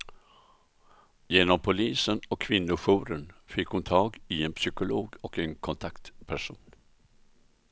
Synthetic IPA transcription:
jeːnɔmpʰʊliːsənɔkʰːvɪnːʊɧuːɾənfɪkːhʊnt̪ʰɑːɡɪɛnpʰsʏkʊloːɡɔkɛnkʰɔnt̪ʰakt̪pʰæʂuːn

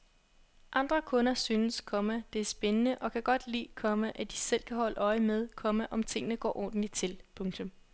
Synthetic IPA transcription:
ʔɑ̈nd̥ʁɐkʰɔ̽nɐsyːnəskʰɒ̽mæd̥e̝æɐsb̥enənəʔɒ̽kʰæɡ̥ɒ̽d̥lḭːkʰɒ̽məʔæd̥isel̰kʰæɦɒ̽ləʔɒ̽ɪəmeð̞ˠkʰɒ̽məʔɒ̽mt͡sʰe̝ŋ̰nəɡ̥ɒ̰ːʔɒ̰ːd̥n̩lit͡sʰe̝lpʰɔ̽ŋt͡sʰɔ̽m

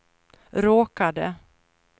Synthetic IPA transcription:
ɾoːkad̪ə̰

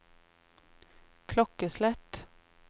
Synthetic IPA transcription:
kʰlɔkəslɛt̪

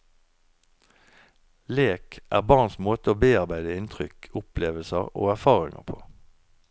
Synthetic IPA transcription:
leːkʔæ̰ːʁbɑːʁnsmoːt̪əoːbeːɑʁbæɪd̪əɪnt̪ʰʁʏkʰʊpleːʋəlsəʁo̰ːæʁfɑːʁɪŋə̰pʰoː

